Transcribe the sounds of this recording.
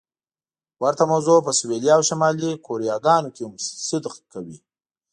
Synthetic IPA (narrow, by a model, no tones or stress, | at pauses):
waɾt̪amawzopəswelijɑːwʃamɑlikʰoɾijɑɡɑnokemsʊd̪qkawi